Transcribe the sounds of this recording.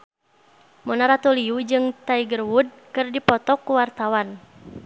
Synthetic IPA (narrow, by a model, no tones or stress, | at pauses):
mɔnaɾat̪uliud͡ʒɨŋt̪aiɡərwud̚kɨrdipɔt̪ɔkuwart̪awan